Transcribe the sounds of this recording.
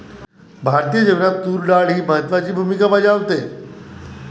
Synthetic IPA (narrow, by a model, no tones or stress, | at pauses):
bʱaɾt̪ijəd͡ʑeʋnat̪uːɾɖaɭɦiːbəɦət̪ʋat͡ɕiːbʱumikabad͡ʑaʋt̪e